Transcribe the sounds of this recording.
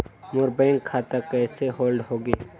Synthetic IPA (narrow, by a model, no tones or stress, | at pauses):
mʊɾbɛ̃ːŋkʰːaːt̪akɛːseɦoːlɖɦoːɡeː